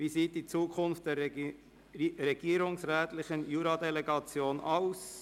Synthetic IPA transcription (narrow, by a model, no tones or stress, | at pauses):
viːziːt̚d̥iːt͡suːkʰʊnft̚d̥ɛː | ɾeɡiːɾʊŋsʁɛːtlɪçənjuːɾɑdeleɡɑt͡sjoːnaʊs